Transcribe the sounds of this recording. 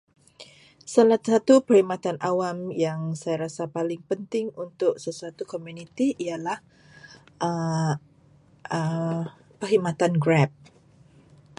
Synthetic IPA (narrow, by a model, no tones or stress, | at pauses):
salasat̪upərhimat̪anʔawamjaŋsajaɾasapalɪŋpənt̪ɪŋunt̪ʊk̚səsuat̪ukomunit̪iʔialah | ʔə | ə | pərɦimat̪anɡɾɛp̚